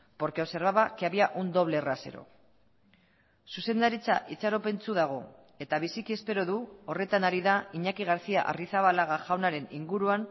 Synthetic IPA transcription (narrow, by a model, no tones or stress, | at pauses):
po̞ɾkeose̞ɾβaβakeaβiaʔund̪o̞β̞le̞rase̞̰ɾo̞̰ | suse̞nd̪aɾit͡saʔit͡saɾo̞pe̞nt͡suðaɣ̞o̞ | e̞t̪aβ̞isikie̞spe̞ɾo̞ðuo̞re̞t̪anaɾiðaiɲakiɣaɾt͡sia̰ʔa̰riθaβalaɣaʝawnaɾe̞niŋɡuɾuan